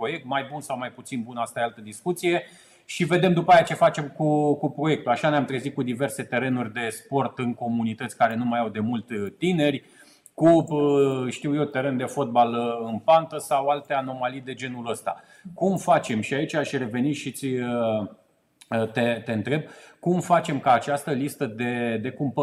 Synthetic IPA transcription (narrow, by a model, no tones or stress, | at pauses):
pɾo̞je̞k̚t̪majbunsawmajput̪sinbunəast̪ajalt̪əd̪iskut̪sije̞ | ʃive̞d̪e̞md̪upəajat͡ʃe̞fat͡ʃe̞mkukupɾo̞je̞k̚t̪uaʃanojamt̪ɾe̞zit̪̚kud̪ive̞rse̞t̪e̞ɾe̞nurʲd̪e̞spo̞rt̪ɨnko̞munit̪ət̪sʲkaɾe̞numajawd̪e̞mult̪ːine̞rʲ | kuəʃt̪iwje̞t̪e̞ɾe̞nd̪e̞fo̞t̪̚balɨnpant̪əsawalt̪e̞ano̞malid̪e̞d͡ʒe̞nuləst̪a̰ | kumfat͡ʃe̞mʃiait͡ʃʲaʃʲre̞ve̞niʃit̪sʲ | t̪et̪e̞ɨnt̪ɾe̞b̚kumfat͡ʃe̞mkaːt͡ʃast̪əlist̪əd̪e̞d̪e̞kumpə